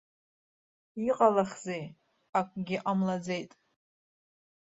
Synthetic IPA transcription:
iqʼalaχzej | akʷʼɡʲɪʔamlad͡zejtʼ

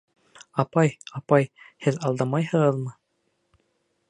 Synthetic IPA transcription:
ɑpɑjɑpɑjhɘðɑlˠd̪ɑmɑjhɤ̆ʁɤ̆ðmɤ

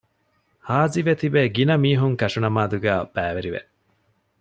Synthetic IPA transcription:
haːziʋet̪ibeːɡinɐmiːɦuŋkɐʃunɐmaːd̪uɡæːb̥æːʋeɾiʋḛʔ

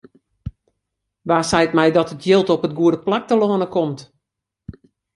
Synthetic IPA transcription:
ʋaːsɛjtmɛjdɔtətʰjɪlˠtɔpət̚ɡuədəplak̚təlɔːnəkʰɔmt

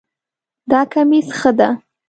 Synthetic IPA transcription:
d̪ɑkamisxəd̪a

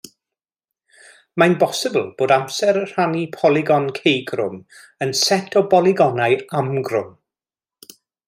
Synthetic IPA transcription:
majnbɔsɪbəl̩ˠb̥oːdamsɛɾər̥anipʰɔlˠɪɡɔnkʰejɡrʊ̰m | ənsɛtʰɔbɔlˠɪɡɔnajamɡrʊm

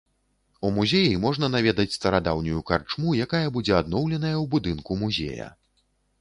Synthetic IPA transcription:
umuzʲejimɔʐn̪ɐnavʲɛd̪ɐt͡sʲst̪ɐɾad̪awnʲujukart͡ʂmujakajɐbud͡zʲɛad̪̚nɔwlʲɛnɐjɐwbud̪ɨnkumuzʲɛ̰jɐ̰

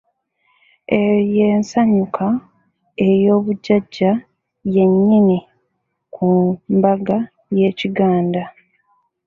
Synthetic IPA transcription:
ejeːnsaɲukʰa | ejo̞ːβuɟːaɟːa | je̞ɲːini | kʰumbaɡa | je̞ːciɡaːnda

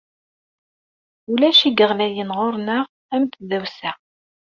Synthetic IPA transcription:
ulæʃiɡəʁlæjənʁoɾnəʁ | æmt̪ðæwsæ

